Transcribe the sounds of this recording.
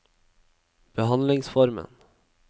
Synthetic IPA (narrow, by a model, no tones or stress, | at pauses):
b̥ɛɦand̪lɪŋsfɔɾmə̰n